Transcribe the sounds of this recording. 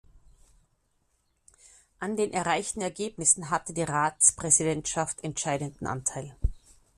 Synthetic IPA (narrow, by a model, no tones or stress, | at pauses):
ʔandeːnʔɛɐʁaɪçtn̩ɛɐɡeːbnɪsn̩ɦatədiːʁaːt͡spʁ̥ɛzidɛntʃaftʰɛntʃaɪdəndn̩ʔa̰ntʰaɪl